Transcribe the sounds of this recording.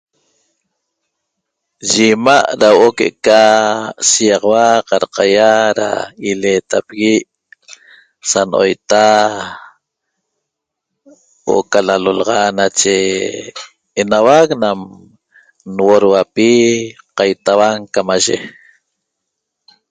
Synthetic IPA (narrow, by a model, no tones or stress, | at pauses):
ʒimaʔɾawʔokeʔḛkasijɑʁwaqɑɾqɑjaɾa̰ileːt̪apɣiʔ | sanʔo̰jt̪a | w̰ʔo̰kalalolɑʁɑnat͡ʃe | nawaknam | nwoɾwapiqɑjt̪awaŋkamaʒḛ